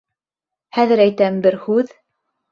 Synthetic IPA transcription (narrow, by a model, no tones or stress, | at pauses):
hæðɘ̆ɾæjt̪æbɘɾhʉð